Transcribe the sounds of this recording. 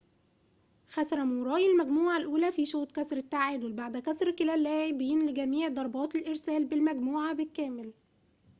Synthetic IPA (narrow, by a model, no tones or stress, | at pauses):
ħasɾˤɑmuɾˤɑːjɪlmæɡmuːʕalʔuːlæfiʃoːt̪kæsɾɪt̪ːaʕɪd̪welbaʕd̪ækæsɾkɪlælːæːʕebːjɪnlɡæmiːʕd̪ˤɑɾˤbɑːt̪elʔɪɾsæːlbɪlmæɡmuːʕabɪlkːæːmɪl